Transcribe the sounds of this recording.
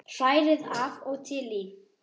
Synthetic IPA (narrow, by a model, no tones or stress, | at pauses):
r̥ajɾɪðavɔɣt̪ʰɪli